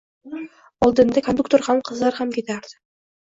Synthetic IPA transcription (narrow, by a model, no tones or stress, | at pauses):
ɒlˠd̪ɪnd̪akʰond̪uk̚t̪oɾhamqʰɨzlaɾhamkʲʰe̞t̪ʰaɾd̪̥ɪ̥